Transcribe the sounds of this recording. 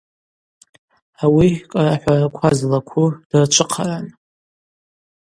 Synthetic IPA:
awikʼaraħʷarakʷʰazlakʷʰud̥art͡ʃʷʰɨqʰaran

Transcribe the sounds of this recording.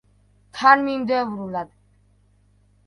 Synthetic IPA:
kʰanmimd̪ɛvɾulad̪

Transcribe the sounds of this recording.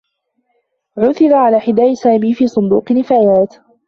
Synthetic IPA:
ʕʊθɪɾaʕalaːħɪd̪aːʔɪsaːmiːfiːsˤʊnd̪ṵːqnɪfaːjaːt̪

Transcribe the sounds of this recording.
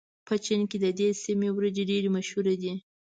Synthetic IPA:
pət͡ʃɪnked̪əd̪esimewɾad͡ʒeɖeɾemaʃhuɾed̪i

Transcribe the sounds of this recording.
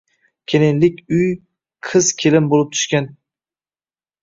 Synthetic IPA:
kʲʰelɪnlɪkʲʊj | qʰɨzkʲʰelɪmbolˠɪp̚t̪ʰʊ̥ʃkʲan

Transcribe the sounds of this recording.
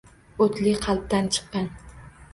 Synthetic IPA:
ot̪lɪqʰɑlˠp̚t̪ant͡ʃʰɨ̥qːɑn

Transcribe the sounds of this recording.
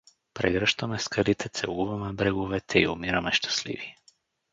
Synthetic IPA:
pɾɛɡɾʃt̪ɔmɛskalit̪ʰɛt̪sɛlˠuvamɛbɾɛɡuvɛt̪ʰɛiumiɾamɛʃt̪ʰɛ̥slḭviɛ

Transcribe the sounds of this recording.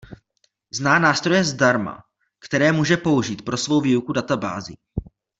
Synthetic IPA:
znaːnaːst̪ɾo̞jɛzdaɾma̰ | kt̪ɛɾɛːmuːʒɛpo̞uʒiːt̪pɾo̞svo̞wviːukudat̪aba̰ːzɪ̰

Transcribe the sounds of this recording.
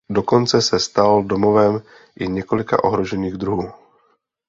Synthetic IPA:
do̞ko̞nt͡sɛsɛst̪aldomovɛm | ʔɪɲɛkolɪka̰ʔo̞̰ɦɾoʒɛniːɣd̪ɾuɦuː

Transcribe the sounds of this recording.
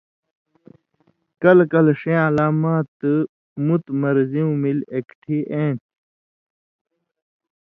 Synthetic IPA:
kɐlkɐlʂẽːɐlaːmaːt̪ɨ | mut̪mɐɾziũmilekʈʰiʔẽːʈ̚

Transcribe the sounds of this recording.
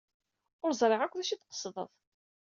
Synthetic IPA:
ʊɾzˤɾˤeʁækʷːðæʃit̪qə̥sˤðˤə̰ðˤ

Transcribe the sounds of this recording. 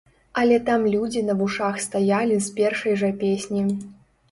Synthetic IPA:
ɐlʲɛt̪amlʲud͡zʲinɐvuʂaxst̪ajalʲispʲɛrʂɐjʐɐpʲesʲnʲi

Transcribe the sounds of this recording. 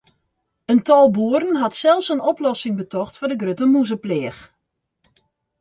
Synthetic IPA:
əntɔlˠbuəɾən̩ɦɑtsɛlˠfsənɔplɔsɪŋbətɔxtfɔdəɡrøtəmuzəplɪəx

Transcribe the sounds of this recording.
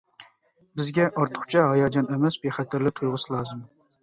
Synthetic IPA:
bɪzɡʲɛʔɑɾt̪ʰə̥χt͡ʃʰɛɦɑjɑd͡ʒɑnɛmɛsbeχæt̪ʰɪɾlɪt̪ʰujʁʊslˠɑːzɨm

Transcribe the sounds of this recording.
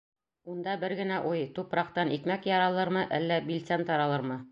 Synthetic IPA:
und̪ɑbɘɾɡɘ̆næʔujt̪upɾɑq̚t̪ɑnit̪mækjɒɾɑlˠɤɾmɤʔælːæbilt̪sænt̪ɒɾɑlˠɤɾmɤ

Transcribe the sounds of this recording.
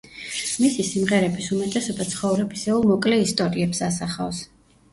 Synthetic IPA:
misisimʁɛɾɛbisumɛt̪ʼɛsɔbat̪sʰχɔvɾɛbisɛulˠmɔkʼlɛist̪ʼɔɾiɛpsasaχafs

